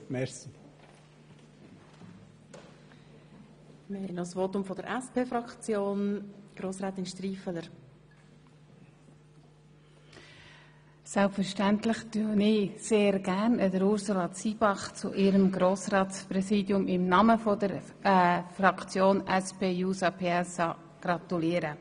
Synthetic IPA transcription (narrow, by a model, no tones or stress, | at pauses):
mɛɾsi | mɪhɛɪjnɔsʋoːt̪ʊmfɔd̥əɾʔɛspeːfɾɑkt͡sjoːnɡ̥ɾoːsɾɛːt̪ɪnʃtriːfələɾ | sɛlpfəɾʃtæntlɪχd̥ønɪseːɾɡ̥æʁnədəɾʊɾsulɑt͡siːb̥ɑχt͡sʊ̰ʔɪɾəmɡɾoːsrɑːtsprɛsiːdjʊmɪmnɑməfɔd̥əɾ | frɑkt͡sjoːnɛspeːjuːsɑpʰeɛsɑ | ɡ̥rɑt̪uliəɾə